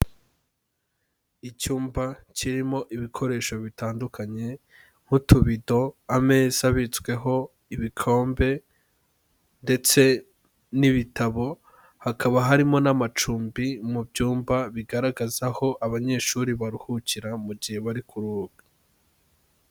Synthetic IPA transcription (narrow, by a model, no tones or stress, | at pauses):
icuːmbaciɾimo̞ʔiβikʰo̞ɾe̞ːʃo̞βitaːndukaɲe̞ | ŋ̥hutʰuβido̞ame̞ːz̥aβit͡swe̞ɦo̞ | iβikʰo̞ːmbe̞ | nde̞t͡se̞ | niβitaβo̞ | hakʰaβaɦaɾimo̞namat͡ʃuːmbimubɟuːmbaβiɡaɾaɡazaho̞ʔaβaɲe̞ʃuɾiβaɾuhuciɾamuɟihe̞βaɾikʰuɾuːɡ̥ḁ